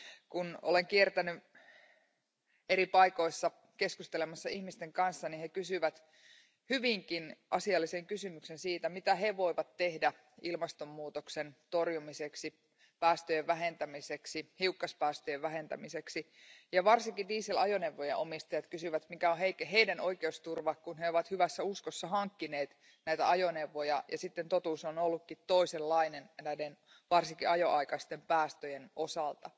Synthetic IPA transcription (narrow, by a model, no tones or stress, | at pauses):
kunole̞ŋkiert̪æny | eɾipɑiko̞isːɑ | ke̞skust̪elemɑsːɑihmist̪e̞ŋkɑnsːɑnihekysyʋæt̪ | hyʋiŋkinʔɑsiɑlːise̞ŋkysymyksensiːt̪æmit̪æɦeʋo̞iʋɑt̪tːe̞hdæ | ilmɑst̪omːuːt̪oksent̪o̞rjumiseksi | pæːst̪øjeʋʋæɦe̞nt̪æmiseksihiukːɑspæːst̪øjeʋʋæɦent̪æ̰miseksi | jɑʋɑrsiŋkidiːselɑjoneʋːojeʔomist̪ɑjɑt̪kysyʋæt̪mikæoɦeikɦeidænoikeust̪urʋɑkkunheoʋɑt̪hyʋæsːæuskosːɑɦɑŋkːineːt̪ | næit̪æɑjoneʋːojɑjɑsit̪ːent̪ot̪uːsonolːukːit̪toiselːɑinennæiden | ʋɑrsiŋkiɑjoʔɑikɑst̪empæːst̪øjenosɑlt̪ɑ